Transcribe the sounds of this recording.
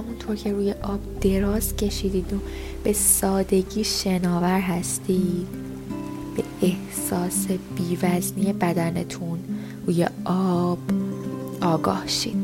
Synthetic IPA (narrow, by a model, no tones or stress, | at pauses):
hæmunt̪ʰoɾcʰe̞ɾuːjeʔɒːb̥̚d̪̥e̞ɾɒːzcʰe̞ʃiːd̪iːd̪o | b̥e̞sɒːd̪e̞ɟiːʃe̞nɒːvæɾɦæst̪iːd̪ | b̥e̞eh | sɒːse̞biːvæzniːje̞bæd̪ænḛt̪ʰun | ɾuːjḛɒːb̥ʔɒːɡɒ̰ːhʃḭːd̪̥̚